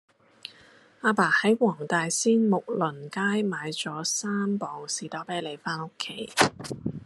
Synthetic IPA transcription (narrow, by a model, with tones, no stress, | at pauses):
aː˧paː˨˩hɐ˨˥jwɔː˨˩ŋt̪aː˨jsiː˥nmʊ˨k̚lɵ˨˩nkaː˥jmaː˨˧jt͡sɔː˨˥saː˥mpɔː˨˩ŋsiː˨t̪ɔː˨˥peː˨˥le˨˩jfaː˥no˥kʰːe˨˥j